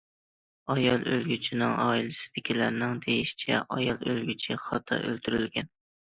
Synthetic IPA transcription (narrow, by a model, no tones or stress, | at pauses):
ɒjɒlˠølɡʲyt͡ʃʰɪnɪŋɒːilɪsɪ̥d̪̥ɪkʲilæɾnɪŋd̪ejiʃt͡ʃʰɛ̰ʔɒjɑlˠølɡʲyt͡ʃʰɪχɒt̪ʰɑ̰ʔølt̪ʰyɾylɡʲɛn